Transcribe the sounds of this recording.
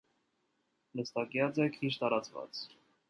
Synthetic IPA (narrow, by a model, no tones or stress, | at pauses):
ləst̪ɑkjɑt͡sɛkʰit͡ʃt̪ɑɾɑt͡svɑ̰t͡s